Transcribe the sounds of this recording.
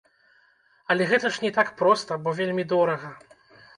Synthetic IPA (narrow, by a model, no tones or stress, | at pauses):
ɐlʲɛɣɛt̪ɐʂnʲɛt̪akpɾɔst̪ɐbɔvʲelʲmʲid̪ɔɾɐɣɐ